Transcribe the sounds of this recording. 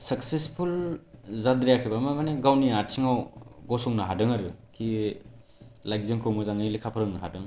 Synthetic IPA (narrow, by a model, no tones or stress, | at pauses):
sɐksespʰulzad̪ɾijakʰibamamaneɡawniatʰiŋawɡɔsɔŋnaɦadɯŋaɾɯkʰi | lajk̚zɯŋkʰɯwmɯzaŋɯlikʰapʰɯɾɯŋnaɦa̰dɯŋ